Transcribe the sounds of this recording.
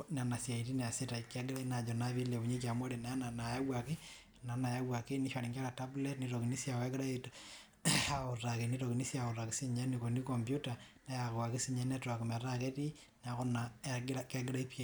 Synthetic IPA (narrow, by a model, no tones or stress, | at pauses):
nanasjaitineasetaikːeɡeɾainad͡ʒonaβileβuɲek̬jamwoɾenaananajawake | nanajawakeniʃaɾiŋaɾatabletniɾokinisjaweɡeɾaeto | aorakenitokinisjaorakesiɲenikonikombjutanajaɣoakisiɲenetoakumaɾaketi | naɣonaaɡɾakeɡeɾaipie